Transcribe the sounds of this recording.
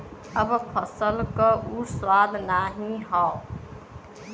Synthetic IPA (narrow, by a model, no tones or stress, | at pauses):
əbpʰəsəlkəʔuɾswaːd̪naɦĩɦɔː